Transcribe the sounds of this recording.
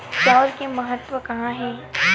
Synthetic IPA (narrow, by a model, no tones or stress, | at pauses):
t͡ʃaːɾkemɐɦət̪ʋəkɐɦãɦɛː